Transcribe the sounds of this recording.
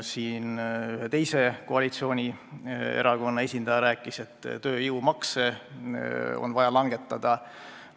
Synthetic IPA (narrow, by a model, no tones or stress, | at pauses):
siːnyɦet̪e̞jse̞ko̞ɑlit̪sio̞ːnʲie̞̰ɾɑko̞nːɑe̞sʲind̪̥ɑjɑɾæːkːˑise̞t̪ːt̪ø̞ːjiumɑkse | o̞̰nvɑjɑlɑŋɡ̥e̞t̪ˑːɑd̪̥ɑ